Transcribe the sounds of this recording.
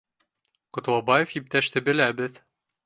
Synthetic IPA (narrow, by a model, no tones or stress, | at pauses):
qŏt̪wɑbɑjefip̚t̪æʃt̪ɘ̆bɘ̆læbɘð